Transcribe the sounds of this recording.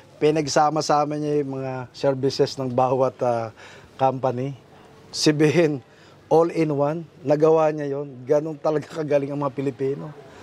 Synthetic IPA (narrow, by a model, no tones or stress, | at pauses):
pɪnɐɡsaːmɐsaːmɪnɐjʊmɐŋasɛɹbɪsɛsnɐŋbaːwɐt̪akampɐnɪ | sɐbiːɦɪn | ʔolɪnwanːɐɡɐwaɲajo̞nɡɐno̞nt̪ɐlɐɡakɐɡaːlɪŋɐŋmɐŋapɪlɪpiːno̞